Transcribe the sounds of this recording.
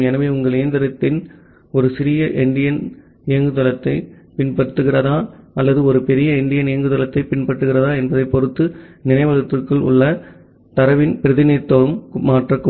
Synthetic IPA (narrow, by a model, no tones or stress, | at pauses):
ɛnɐʋɐʊŋɡɐɭɪjɐnd̪ɐɾɐt̪ːɪn | ɔɾɯsɪɾɪjɐʔɪɳɖɪjɐn | ɪjɐŋɡɯt̪ɐlɐt̪ːɐɪ | pɪnpɐɽɯt̪ːɯɣɪrɐðaːɐlːɐðɯɔɾɯpɛɾɪjɐɪɳɖɪjɐnɪjɐŋɡɯt̪ɐlɐt̪ːɐɪpɪnpɐʈːɯɣɪrɐðaːɛnbɐðɐɪpːɔɾɯt̪ːɯnɪnɐɪʋɐðɐt̪ːɪrkɯɭʊ̰ɭːɐ | t̪ɐɾɐʋɪnpɪɾɐðɪnɪɾt̪ːɐʋɯmmaːʈrɐkːɯ